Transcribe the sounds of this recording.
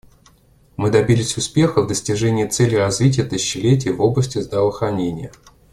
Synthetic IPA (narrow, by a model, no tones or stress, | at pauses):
mɨd̪ɐbʲilʲɪsʲʊspʲe̞xəvd̪əsʲtʲɪʐɛnʲɪjət̪sɛlʲjrɐzvʲit̬ʲɪjət̪ɨɕɪɕːɪlʲet̬ʲɪjəvo̞blˠəsʲtʲɪzd̪ɾəvəxɾɐnʲenʲɪjə